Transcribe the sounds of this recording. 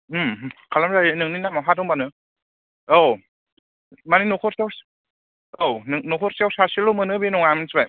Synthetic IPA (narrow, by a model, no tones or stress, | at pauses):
ɯmkʰalamzajɯnɯŋninamawɦatɔŋbanɯ | ow | maninukʰɔɾsews | ownɯŋnukʰɔɾsewsasilomɯnɯbenuŋamansbaj